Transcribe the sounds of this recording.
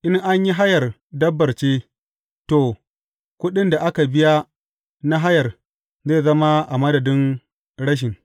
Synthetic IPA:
ʔɪ˦ŋʔa˦ɲji˦ɦa˦jɐ˨r | dɐ˦bːɐ˨rt͡ʃeː˦ | to˨ | kʷʊ˦ɗɪ˦nda˨ʔa˦ka˨bɪ˦ja˦ | na˦ɦa˦jɐ˨r | zeː˦˨zɐ˦ma˦ʔa˨mɐ˦dɐ˨dɪ˦ŋ | ɽɐ˦ʃ̬ɪ˨ŋ

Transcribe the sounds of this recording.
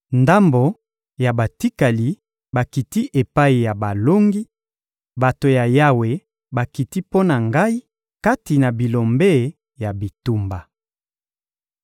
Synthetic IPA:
nda˦mbo˨ | ja˨ba˨ti˦ka˨li˨ | ba˨ki˨ti˦ʔe˨pa˦i˨ja˨ba˨lo˦ŋɡi˦ | ba˨to˨ja˨ja˦we˨ | ba˨ki˨ti˦po˦na˨ŋɡa˦i˦ | ka˦ti˨na˨bi˨lo˨mbe˦˨ | ja˨bi˨tu˦mba˨

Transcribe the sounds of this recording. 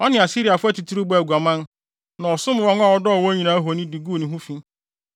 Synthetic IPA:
ɔ˦nɪ̃˨a˨si˦ɾi˨a˨fʊ˦ɛ˦tu˨tʰu˦ɾu˦ba˨ɡu˨a˨mã˦n˦ | nã˨ɔ˨sʊ˦m˨wɔ̃˦ŋ˦a˦˨ɔ˨˦dɔ˦˨wɔ̃˦ɲĩ˨nã˨˦ɦo˨nĩ˦di˨ɡu˦˨nĩ˨ɦũ˦fĩ˦

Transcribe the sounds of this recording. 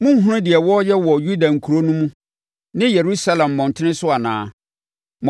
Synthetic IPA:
mʊ̃˦m̩˦ɦʊ̃˦nʊ̃˦dɪ˨ɛ˨wɔ˦jɛ˦wɔ˨ju˦da˨ŋ̩˨kʰu˨ɾo˦nũ˦mũ˦ | nɪ̃˦je˨ɾu˦sa˦lɛ̃˨mː˨ɔ̃˨n˨tʰɪ˦nɪ̃˦sʊ˦a˨nã̰ː˨ | m̃˨

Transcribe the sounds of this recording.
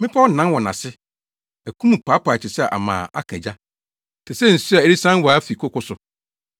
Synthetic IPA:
mɪ̃˦pʰa˦n̩˨nã˦nwɔ˨nã˨sɪ˦ | æ˨kʰũ˦mũ˨pʰaː˨˦pʰa˨t͡ɕʰɪ˨sɛ˦˨ʔa̰˨mã̰ː˨ʔa̰˦kʰæ̰̃˨d͡ʑa˦ | tʰɪ˨sɛ˦˨n̩˨si˦a˨e˦ɾi˦sã˦n˦wɔ˨˦fi˨kʰʊ˦kʊ˦sʊ˨

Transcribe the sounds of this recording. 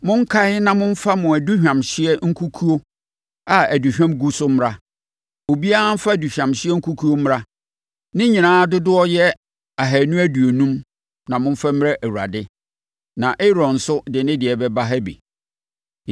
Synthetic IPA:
mʊ̃˦ŋ̩˦kʰa˦hɪ˦nã˨mʊ̃˦m̩˦fa˦mʊ̃˨æ˨du˦ɕᶣã˨mɕɪ˦ɛ˦ŋ̩˦kʰu˦kʰu˦o˦ | a˨æ˨du˨ɕᶣã˦mɡu˦sʊ˦m˦ɾa˦ | o˨bi˦a˦a˦m̩˦fa˦˨du˨ɕᶣã˨mɕɪ˦ɛ˦ŋ̩˦kʰu˦kʰu˦o˦m˦a˦ | nɪ̃˦ɲĩ˨nãː˦dʊ˦dʊ˦ɔ˦jɛ˦ | a˨ɦæ˨nũ˦æ˦du˨o˨nũ˦m | nã˨mʊ̃˦ɱ̩˦fa˦m˦ɾɛ˦ʔæ˨wu˨ɾa̰˨dɪ˦ | nã˨ʔɪ˦ɾɔ̃˨n̩˨sʊ˦dɪ˨nɪ̃˦dɪ˨ɛ˨bɛ˦ba˦ɦæ˦bḭ˨

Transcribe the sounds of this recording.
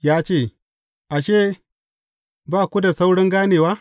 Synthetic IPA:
jaː˦t͡ʃeː˦˨ | ʔa˨ʃeː˦˨ | baː˦˨kʷu˦da˨sa˦wɽɪ˦ŋɡaː˦neː˨waː˦

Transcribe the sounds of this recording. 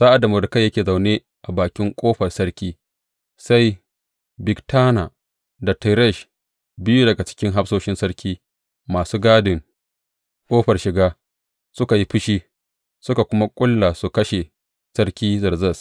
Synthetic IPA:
saː˦ʔa˨da˨mo˨dkɐ˦jːɐ˦kʲeː˨za˨wneː˦ | ʔa˨baː˨kʲɪ˦ŋkʷʼoː˦ɸɐ˨rsɐ˦ɽkʲiː˦ | sa˦j | bɪ˨ɡtaː˦na˨ | da˨tɛ˨ɾɛ˦˨ʃ | bɪ˦ju˦dɐ˨ɡa˨t͡ʃɪ̥˦kʲɪ˦ŋɦa˦ɸsoː˦ʃɪ˦nsɐ˦rkʲiː˦ | maː˨suː˦ɡaː˦dɪ˨ŋ | kʷʼoː˦ɸɐ˨rʃɪ˨ɡaː˦ | sʊ˦ka˨ji˦ɸɪ˦ʃiː˦ | sʊ˦ka˨kʷʊ˦ma˦kʷʼʊ˦lːa˨su˨kɐ˦ʃe˨ | sɐ˦rkʲiː˦zɐ˨rzɐ˦˨s

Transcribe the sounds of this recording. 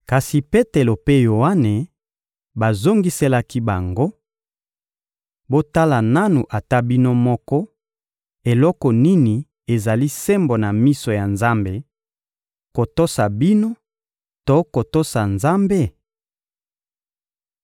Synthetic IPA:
ka˨si˨pe˦te˨lo˨pe˦jo˨a˦ne˨ | ba˨zo˦ŋɡi˦se˦la˦ki˦ba˨ŋɡo˦ | bo˦ta˦la˨na˦nu˨ʔa˨ta˦bi˦no˦mɔ˦kɔ˦ | e˨lɔ˦kɔ˨ni˦ni˨ | e˨za˨li˦sɛ˦mbo˨na˨mi˦so˨ja˨nza˦mbe˦ | ko˨to˦sa˨bi˦no˦ | to˦ko˨to˦sa˨nza˦mbe˦

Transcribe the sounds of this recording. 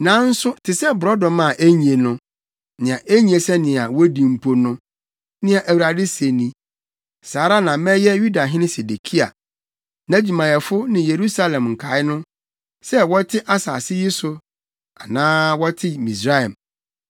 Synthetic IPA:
nã˨˦n̩˦sʊ˦tʰɪ˨sɛ˦bʊ˨ɾɔ˦dɔ̃˨mã˨ʔe˦ɲĩ˨e˨nʊ̃˦ | nɪ̃˨ã˨ʔe˦ɲĩ˨e˨sɛ˦nɪ̃˨a˨wɔ˦dĩ˨m̩˨pʰo˦nʊ̃˦ | nɪ̃˦a˨ʔæ˨wu˨ɾa˨dɪ˦se˨nĩ˦ | saː˨ɾa˦nã˨˦mɛ̃˦jɛ˦ju˦da˨ɦɪ̃˦nɪ̃˦se˨de˨kʰi˦a̰˨ | nã˦d͡ʑi˨mã˨jɛ˨fʊ˦nɪ̃˨je˨ɾu˦sa˦lɛ̃˨mŋ̩˨kʰa˨˦ɪ˦nʊ̃˦ | sɛ˦wɔ˦tʰɪ˦ʔa˦sa̰ː˨sɪ˦ji˦sʊ˨ | a˨nãː˦wɔ˦tʰɪ˦mĩ˨sɾa˦ɛ˨m

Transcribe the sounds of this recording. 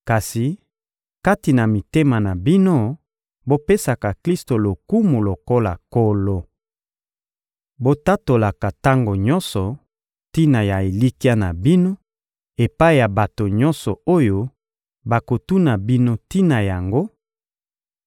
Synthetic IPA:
ka˨si˨ | ka˦ti˨na˨mi˨te˦ma˨na˨bi˦no˦ | bo˦pe˦sa˨ka˨kli˦sto˨lo˨ku˦mu˨lo˨ko˦la̰˨ko˦lo˦ | bo˦ta˦to˨la˨ka˨ta˦ŋɡo˨ɲɔ˦nsɔ˨ | ti˦na˨ja˨e˨li˦ki˦a˦na˨bi˦no˦ | e˨pa˦i˦˨ja˨ba˨to˨ɲɔ˦nsɔ˨o˦jo˦ | ba˨ko˨tu˦na˨bi˦no˦ti˦na˨ja˨ŋɡo˦

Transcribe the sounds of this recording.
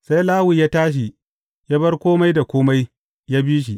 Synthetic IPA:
sa˦jlaː˦wi˨jaː˦taː˦ʃ̬i˨ | jaː˦bɐ˦rkʷoː˦ma˦jda˨kʷoː˦ma˦j | jaː˦biː˦ʃ̬i˨ʔ

